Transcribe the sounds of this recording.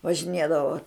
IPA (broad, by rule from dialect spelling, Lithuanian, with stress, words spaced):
ʋɐʒʲɪˈnʲeːdɐʋoː